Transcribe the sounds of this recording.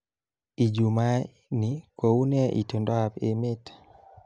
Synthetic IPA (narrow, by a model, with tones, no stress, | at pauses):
i˨d͡ʒu˨ma˦ | ni˨kwo˨u˦nɛ˦ʔḭ˨to˨ndɔ˦a˨pe˦mɪ˦t